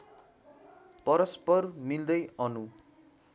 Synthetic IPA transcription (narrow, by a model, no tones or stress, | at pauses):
pʌɾʌspʌrmild̪ʌjʌnu